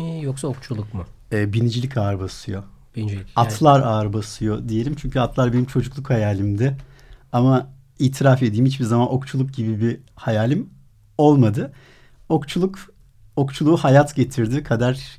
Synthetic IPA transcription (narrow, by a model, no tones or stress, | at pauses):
joksaokt͡ʃʰulˠukmʊ | ɛːbinid͡ʒilʲicaːɾbasɯjo | b̥inid͡ʒicat̪ʰlˠaɾaːɾbasɯjo̞d̪ije̞lʲimt͡ʃʰyɲcʰyat̪ʰlˠaɾbe̞nimt͡ʃʰo̞d͡ʒuklˠukhajaːlʲimd̪ɛ | ama | iːt̪ʰiɾafed̪ijːimit͡ʃbizamano̞kt͡ʃʰulˠuk̚ɟibibihajaːlʲim | o̞lˠmad̪ɯ | okt͡ʃʰulˠuk | okt͡ʃʰulˠuːhajat̪ɟe̞t̪ʰiɾd̪ɪkʰad̪aɾ̥